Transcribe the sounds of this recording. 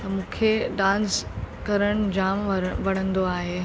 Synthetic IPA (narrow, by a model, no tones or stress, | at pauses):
t̪ɐmũːkʰeɖãːnskɐɾəɽ̃d͡ʑaːmʋɐɽ̤̃ə̃nd̪oaːɦeː